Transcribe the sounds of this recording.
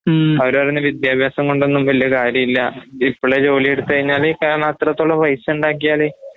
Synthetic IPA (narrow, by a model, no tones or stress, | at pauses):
ɐɾɐrenːɨʋid̪jaːbʱjaːsɐŋko̞ɳɖenːumʋɐlijɐkaːɾjɐmilːɐipːoɭet͡ɕo̞ːlijeɽut̪ːɨkɐɻiɲːaːlikɐɾɐɳaːt̪rɐt̪ːoɭːɐʋɐjsuɳɖaːk̬ːijaːle